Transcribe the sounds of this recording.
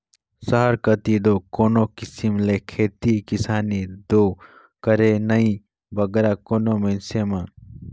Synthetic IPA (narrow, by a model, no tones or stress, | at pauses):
sɐɦaɾkɐt̪id̪oːkoːnoːkisimlekʰeːt̪ikisaːnid̪oː | kɐɾeːnɐĩ | bɐɡeɾaːkoːnoːmensemãːn